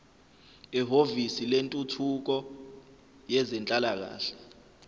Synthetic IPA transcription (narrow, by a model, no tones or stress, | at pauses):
ɛɦovisilentʼutʰuk̬ɔ | jɛzɛnt͡ɬʼalak̬a̰ːɬɛ̥